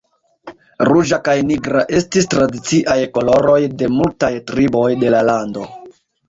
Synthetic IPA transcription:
ɾuʒakajniɡɾaʔe̞stistɾadit͡siʔajko̞lo̞ɾo̞jde̞multajtɾibo̞jde̞lalando̞

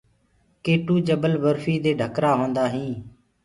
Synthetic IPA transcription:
keːʈuːd͡ʒəbəlʋəɾfiːd̪eːɖʱəkɾaːɦõːnd̪aːɦĩː

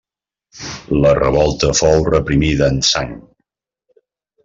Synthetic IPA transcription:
lərəβɔlˠt̪əfowrəpɾimiðəːnsaŋ

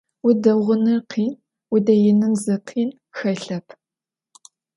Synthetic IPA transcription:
wʊdɐʁʷʊnɨrqʰiːn | wʊdɐjɪnɨnzɨqʰiːn | xɐɬɐpʰ

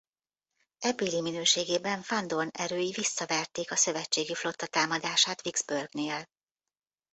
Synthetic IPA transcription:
ɛbiːliminøːʃeːɡeːbɛɱfɒnd̪o̞rnɛɾøːjivisːɒvɛrt̪eːkɒsø̞vɛt͡ʃːeːɡiflo̞t̪ːɒt̪aːmɒd̪aːʃaːt̪ʋiɡz̥børɡneːl

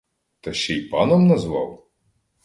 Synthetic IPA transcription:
t̪ɐʃt͡ʃɛjpɑnɔmnɐzʋɑ̰w

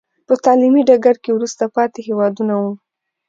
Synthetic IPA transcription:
pət̪ɑlimiɖaɡaɾkewɾust̪apɑt̪ehewɑd̪unawu

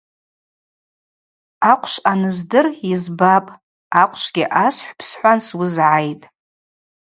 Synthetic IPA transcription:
aqʷʰʼʃʷanɨzdɨrizbapʼ | aqʷʰʼʃʷɡʲɪʔasħʷpʰsħʷanswʊzʕajtʼ

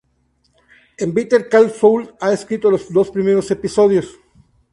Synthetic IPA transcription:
embit̪eɾkalfowlaeskɾit̪olosd̪o̞spɾimeɾosepisoðjos

